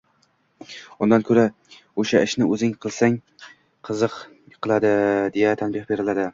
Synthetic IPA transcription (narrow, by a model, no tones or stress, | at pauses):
ʊnd̪ankʰɵɾa | oʃaɪʃnɪɵzɪŋqʰɨlˠsaŋ | qʰɨzɨq | qʰɨlˠad̪ɪd̪e̞jat̪ʰanbɪχbe̞ɾɪlad̪ɪ